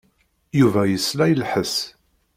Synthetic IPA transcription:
juvæjəslæjlħəs

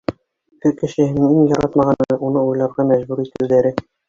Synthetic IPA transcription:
kɘkɘ̆ʃɘ̆hɘ̆nɘŋiŋjɑɾɑt̪mɑʁɑnɤʔunɤujlˠɑɾʁɑmæʑbuɾit̪ɘ̆wðæɾɘ

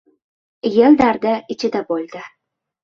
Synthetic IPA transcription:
jeld̪aɾd̪aɪt͡ʃʰɪd̪abolʲˠd̪ɪ

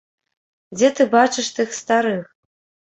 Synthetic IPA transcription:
d͡zʲɛt̪ɨbat͡ʂɨʂt̪ɨxst̪aɾɨx

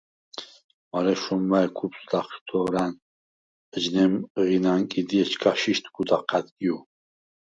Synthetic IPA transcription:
maɾɛʃɔmːaɛkʰupsd̪aχʃt̪ʰɔːɾan | əd͡ʒnɛmʁinankʼid̪iɛt͡ʃʰkʰaʃiʃt̪ʰɡud̪aqʰːad̪kʼiu

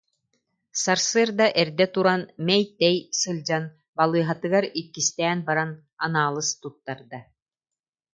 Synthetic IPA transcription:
saɾsɯːɾd̪aʔɛɾd̪ɛt̪uɾanmɛjt̪ɛjsɯlʲd͡ʑan | balˠɯːɦat̪ɯɡaɾit̪̚kːist̪ɛːnbaɾan | anaːlˠɯst̪ut̪ːaɾd̪a

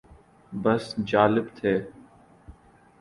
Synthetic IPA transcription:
bəsd͡ʒaːlɪbt̪ʰeː

